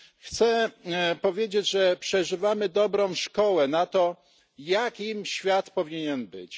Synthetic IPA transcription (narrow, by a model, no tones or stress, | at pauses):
xt̪sɛpɔvʲjed͡ʑed͡ʑʐɛpʂɛʐɘvamɘd̪ɔbɾɔ̃w̃ʂkɔwɛnat̪ɔ | jakʲimɕfʲjat̪pɔvʲiɲɛnbɘt͡ɕ